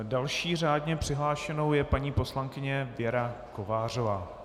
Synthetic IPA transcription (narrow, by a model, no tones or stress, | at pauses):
dalʃiːraːdɲɛpr̝̥ɪɦlaːʃɛno̞wjɛpaɲiːpo̞slaŋkɪɲɛvjɛɾako̞vaːr̝o̞vaː